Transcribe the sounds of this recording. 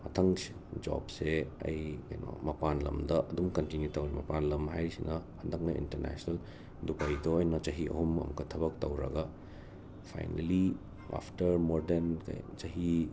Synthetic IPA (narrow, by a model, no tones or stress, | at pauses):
mɐtʰɐŋs | d͡ʒɔ̰bseɐ̰jkɐjno̰mɐpanlɐmdɐʔɐdumkɐntinjutɐwɾimɐpanlɐmɦajɾisinʔɐhɐndɐk̚nɐḭntɐɾna̰sonɐl | dupajdoːjnɐt͡ʃɐɦiɐ̰humɐ̰mɐkʰɐtʰɐbɐk̚tɐwɾɐ̰ɡɐ | pʰa̰jnɐ̰li | a̰pʰtɐɾmoɾdenkɐ̰jt͡ʃɐɦi